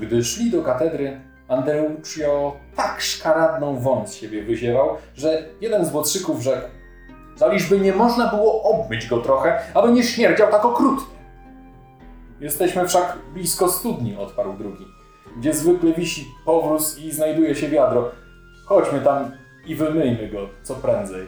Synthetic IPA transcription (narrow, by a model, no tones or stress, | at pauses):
ɡd̪ɘʂlʲid̪ɔkat̪ɛd̪ɾɘ | and̪ɾɛut͡ʂjɔt̪akʂkaɾad̪nɔ̃w̃vɔnsɕebʲjɛvɘʑɛvawʐɛjɛd̪ɛnzvwɔt̪ʂɘkuvʐɛk | zalʲiʐbɘɲɛmɔʐnabɘwɔʔɔbmʲɘd͡ʑɡɔt̪ɾɔxɛalɛɲɛɕmʲjɛɾd͡ʑawt̪akɔkɾut̪ɲʲɛ | jɛst̪ɛɕmɘfʂaɡblʲiskɔst̪ud̪ɲiɔt̪paɾwd̪ɾuɡʲi | ɡd͡ʑɛzvɘklɛvʲiɕipɔvɾusiznajd̪ujɛɕɛvʲjad̪ɾɔ | kɔd͡ʑmɘt̪am | ivɘmɘjmɘɡɔt̪sɔpɾɛnd̪zɛj